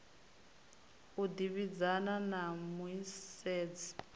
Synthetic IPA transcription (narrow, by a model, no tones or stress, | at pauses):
udiβid͡zananamuiseːd͡zi̥